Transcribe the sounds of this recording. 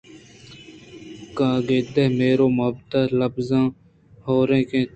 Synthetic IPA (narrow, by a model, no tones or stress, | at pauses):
kãːɡeːd̪eːmeːɾoːmʊbt̪aːləbzãː | hoːɾẽːkẽː